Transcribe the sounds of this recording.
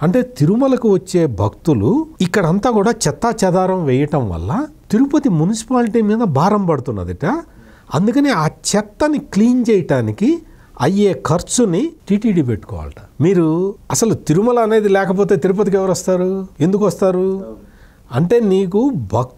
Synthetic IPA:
ɐɳʈe̞ːt̪iɾumɐlɐkiʋɐt͡ʃːe̞ːbʱɐkt̪uluikːɐɽɐɐnt̪aːkuːɽaːt͡ʃɛt̪ːaːt͡ʃɐd̪aːɾɐmʋɛːjɐʈɐmʋɐ̰lːɐt̪iɾupɐt̪imunisi̥paːliʈiːmiːd̪ɐbʱaːɾɐmpɐɽut̪unːɐ̰d̪iʈa | ɐnd̪ukɐniaːt͡ʃɛt̪ːɐnikliːnt͡ʃɛjɐʈaːniki | ɐjːe̞ːkʰɐɾt͡ʃunːiʈiːʈiːɖip̬eʈːu̥kɔ̰ːʋa̰ːlɐʈɐmiːɾuɐsɐlut̪iɾumɐlɐɐne̞ːd̪ilɛːkɐp̬o̞ːt̪̬e̞ːt̪iɾup̬ɐt̪̬ikɛʋɐɾɐst̪aːɾue̞nd̪ukuʋɐst̪aːɾu | ɐɳʈe̞ːniːk̬ubʱɐk̚

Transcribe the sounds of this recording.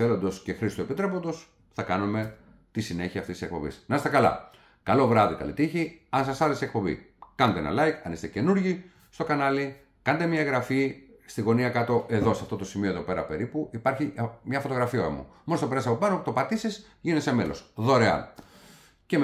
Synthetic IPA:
elo̞nd̪o̞sce̞xɾist̪ue̞pit̪ɾe̞po̞nd̪o̞s | θɐkɐnume̞ | t̪isine̞çiɐːftisisekpo̞̰bḭsnɐsest̪ɐkɐlɐ̰ | kɐlo̞vɾɐðikɐ̰lḭt̪içiɐnsɐsɐɾesiekpo̞bḭkɐnont̪eḛnɐ̰lɐjkɐ̰nist̪ece̞nuɾʝi | st̪o̞kɐnɐli | kɐnet̪emɲɐeɣɾɐfi | st̪iɣo̞niɐkɐt̪o̞ʔe̞ðo̞sɐft̪o̞t̪o̞simio̞ðo̞pe̞ɾɐ̰pe̞ɾipuʔipɐɾçimɲɐfo̞t̪o̞ɣɾɐfiɐ̰mṵmonost̪opeɾɐsɐpo̞pɐnot̪o̞pɐt̪isis | ʝinsemelo̞̰sðoɾeɐ̰ | cem

